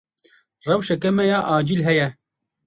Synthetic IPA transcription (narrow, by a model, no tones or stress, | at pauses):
rɛwʃɛkɛmɛjaːʔaːd͡ʒilɦɛjɛ